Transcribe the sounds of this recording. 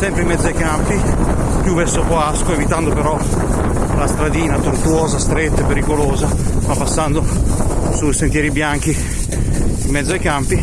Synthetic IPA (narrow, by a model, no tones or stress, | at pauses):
sɛmpɾeimːɛd̪zajkampi | pjuvɛsːokoaskoevit̪and̪opeɾɔ | last̪ɾad̪iːnat̪ort̪wɔːzast̪ɾet̪ːaepeɾikolɔːzafapːasːand̪osujsent̪jɛːɾibjaŋk̟i | imːɛd̪zːoajkampi